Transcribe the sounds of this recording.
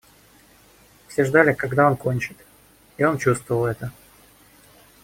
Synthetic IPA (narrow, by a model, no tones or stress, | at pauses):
fsʲeʐd̪alʲɪkɐɡd̪ao̞nko̞nʲt͡ɕɪt̪ | io̞nt͡ɕust̪vəvəlˠɛt̪ə